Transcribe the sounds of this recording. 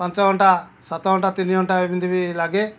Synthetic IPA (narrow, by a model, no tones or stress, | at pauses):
pant͡ʃaɡɔɳʈasat̪ɔɔɳʈat̪iniɔɳʈaibind̪ibilaɡɛ